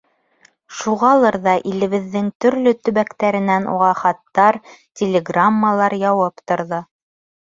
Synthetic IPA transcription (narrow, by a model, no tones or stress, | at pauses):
ʃuʁɑlˠɤɾðɑʔilɘ̆βɘ̆ðːɘŋt̪ɵ̆ɾlɵt̪ɵ̆βækt̪æɾɘ̆nænʔṵʁɑχɑt̪ːɑɾtʲɪlʲeɡramːalˠɑɾjɑwɤpt̪ŏɾðo